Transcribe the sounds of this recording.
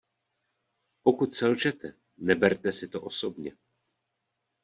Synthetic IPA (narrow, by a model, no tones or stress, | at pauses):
po̞kut̪sɛlʒɛt̪ɛ | nɛbɛɾt̪ɛsɪt̪o̞ʔo̞so̞bɲɛ